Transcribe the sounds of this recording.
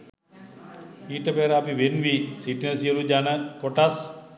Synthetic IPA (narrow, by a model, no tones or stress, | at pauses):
iːʈəpeːɾəapiʋenʋisiʈinəsijəlud͡ʒanəpoʈas